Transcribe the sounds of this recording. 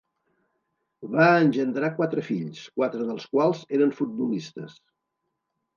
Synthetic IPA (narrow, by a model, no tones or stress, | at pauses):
βaənʲʒənd̪ɾakwat̪ɾəfiʎskwat̪ɾəðəlˠskwalˠzeɾəɱfut̪̚bulist̪əs